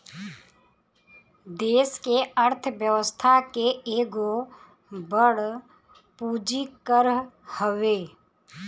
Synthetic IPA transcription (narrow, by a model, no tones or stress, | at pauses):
d̪eːskeəɾt̪ʰʋjəʋəst̪ʰakeeːɡo | bəɽ | puːd͡ʒikəɾ | həʋeː